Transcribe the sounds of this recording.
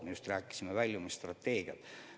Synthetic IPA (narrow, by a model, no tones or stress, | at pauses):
mejust̪ræːkːˑi̥simevælʲjumɑst̪rɑt̪ːe̞ːɡiɑ̰t̪